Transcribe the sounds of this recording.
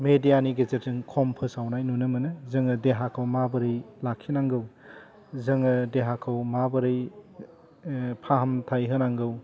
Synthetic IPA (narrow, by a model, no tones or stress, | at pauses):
medijaniɡezetzɯŋkʰɔmpʰɯsawnajnunɯmɐnɯzɯŋɯdeɦakʰawmabɐɾɯjlakʰːinaŋɡɯw | zɯŋɯdeɦakʰawmabɯɾɯj | pʰaɦɐmtʰajɦɯnaŋɡɯw